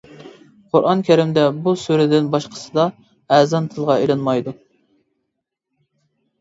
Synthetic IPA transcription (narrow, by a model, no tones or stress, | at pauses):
qʰʊɾʔɑnkʲʰæɾɪmd̪ɛbusuɾɪd̪ɪnbɑʃqʰə̥sɨd̪ɑ | ɛzɑnt̪ʰɨlˠʁɑelˠɨnmɑjd̪u